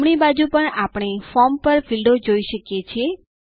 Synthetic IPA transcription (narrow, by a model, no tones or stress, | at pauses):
mɽ̃ibad͡ʒupəɳapɽ̃efɔmpəɾʋilɖod͡ʒoiʃəkjet͡ʃʰe